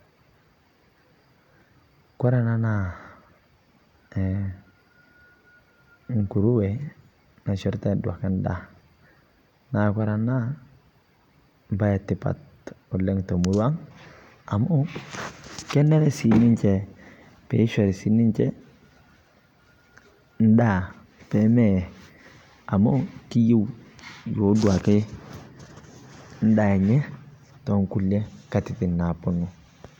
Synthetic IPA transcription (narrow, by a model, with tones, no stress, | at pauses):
kʷa˦ɾa˨na˦na˨ | ŋ˨ku˨ɾu˦we˨ | na˨ʃɔ˦ɾta˦˨da̰˨ka˦nda˦˨ | na˨kʷa˦ɾa˨na˦ | ba˦ja˨tːi˨pa̰˨t | o˨le˦ŋto˨mu˨ɾwa˦ŋ | a˨mu˦ | kɛ˦nɛ˦ɾɛ˦si˨ni˦ɲt͡ʃɛ˨ | pɛ˨˦ʃɛ˨ɾsi˨˦ni˦ɲt͡ʃɛ˦ | n̩˦da˦˨ | pɛ˨˦mɛ˦˨ | a˨mo˦ki˦ji˦wjo˨˦du˨a˨ke˦ | n̩˦da˨ɛ˨ɲɛ˦ | tɔ˨˦ŋku˦lɛ˦ka˨ti˨ti˨na˨po˦nu˨